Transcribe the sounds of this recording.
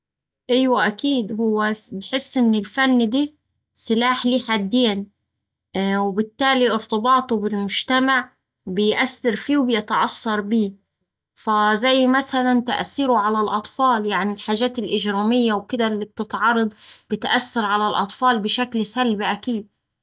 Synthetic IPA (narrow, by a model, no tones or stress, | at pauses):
ʔɪjwaʔakiːd̪hʊwːabħɪsːʔɪnːɪlfanːd̪iː | sɪlaːħliːħad̪ːeːn | wɪbɪt̪ːaːliʔɪɾt̪ˤɨbɑːt̪ˤubɪlmʊʒt̪amaʕ | bɪjʔasːɪɾfiːwbɪjɪt̪ʕɑsˤːɑɾˤbiː | fazajːmasalant̪a̰ʔsːiːɾʊʕalalʔɑt̪ˤfɑːljaʕnilħaːʒaːt̪ɪlʔɪʒɾaːmɪjːawkɪd̪alːib̚t̪ɪt̪ʕɑɾˤːɑd̪ˤb̥ɪt̪ʔasːɑɾˤʕalalʔɑ̰t̪ˤfɑːlbɪʃaklsalbaʔakiːd̪̚